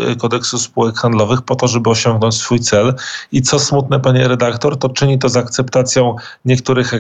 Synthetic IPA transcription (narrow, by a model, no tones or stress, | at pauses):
kɔd̪ɛksuspuwɛkxand̪lɔvɘxpɔt̪ɔʐɛbɘɔɕɔŋɡnɔɲt͡ɕsfujt̪sɛlit̪sɔsmut̪nɛpaɲɛɾɛd̪akt̪ɔɾt̪ɔt͡ʂɘɲit̪̬ɔzak̚t̪sɛpt̪at̪sʲjɔ̃w̃ | ɲɛkt̪uɾɘxɛ